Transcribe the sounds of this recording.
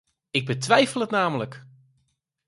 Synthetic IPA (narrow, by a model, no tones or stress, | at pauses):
ɪɡ̚bətʋɛjfəlˠətnaːmələk